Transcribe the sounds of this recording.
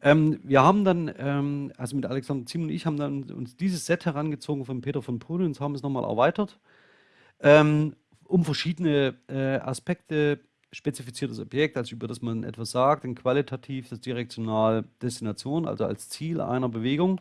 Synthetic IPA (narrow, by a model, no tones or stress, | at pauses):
ʔɛːmviːɐhaːbm̩danʔɛːmʔalzomɪtʔalɛksandɐt͡siːmʊntɪ̰çhaːbm̩danʊ̰nsd̥iːzəsz̥ɛthɛʁanɡət͡soːɡŋ̩fɔnpʰeːtɐfɔnpʰoːləʊnshaːbm̩ɛsnɔχmaːlʔɛ̰ɐvaɪtɐt | ʔɛːm | ʔʊmfɛɐʃiːdənəʔɛːʔa̰spɛk̚tə | ʃpɛt͡sifit͡siːɐtəsɔpjɛk̚talsʔyːbɐdasmanʔɛ̰tv̥asz̥aːk̚tʊntkv̥alitʰatʰiːfd̥asd̥iʁɛk̚t͡sjonaːld̥ɛstinat͡sjoːnʔa̰lzoa̰lst͡siːlʔa̰ɪnɐbəveːɡʊŋ